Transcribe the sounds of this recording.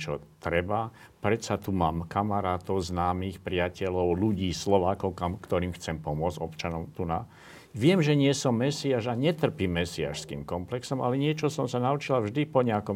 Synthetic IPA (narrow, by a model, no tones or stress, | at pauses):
t͡ʃɔt̪ɾɛba | pɾɛsat̪umaːmkamaɾaːt̪ɔʊznaːmiːxpɾɪacɛlɔʊluɟiːslɔʋaːkɔʊkamkt̪ɔɾiːmxt͡sɛmpɔmʊɔd͡zɔpt͡ʃanɔmt̪una̰ | ʋɪɛmʒɛɲɪɛsɔmːɛsiaːʃaɲɛt̪r̩pimːɛsia̰ːʃskḭːmkɔmplɛksɔma̰lɛɲɪɛt͡ʃɔsɔmsanaut͡ʃilavʒd̪ipɔɲɛakɔm